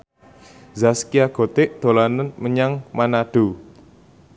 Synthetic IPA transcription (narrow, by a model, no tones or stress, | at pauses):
zaskiaɡ̥o̤t̪ɪʔd̪̥o̤lanənməɲaŋmanaɖ̥u